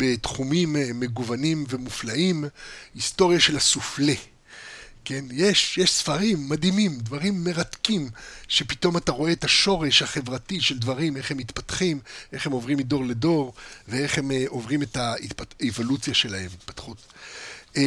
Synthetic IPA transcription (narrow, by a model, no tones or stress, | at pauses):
bet̪χumimːe̞ɡuvanimve̞muflaimhisto̞ʁjaʃe̞lhasufle | ke̞njeʃjeʃsfaʁimːadhimimdvaʁimːe̞ʁat̪kimʃe̞pito̞mataʁo̞e̞etaʃo̞ʁe̞ʃhaχe̞vʁatiʃe̞ldvaʁime̞χhemit̪patχimʔe̞χhemo̞vʁimido̞ʁledo̞ʁvee̞χhemʔovʁimetaḭtpaevo̞lut͡sjaʃe̞lahe̞mit̪̚pḁtχut